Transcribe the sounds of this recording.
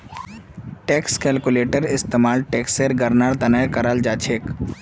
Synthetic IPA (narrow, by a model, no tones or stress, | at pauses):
ʈeːkskɛːlkuleːʈəɾɪst̪eːmaːlʈeːkseɾɡɐɾnaːɽt̪ɐnəjkɐɾald͡ʒaːt͡ʃʰeːk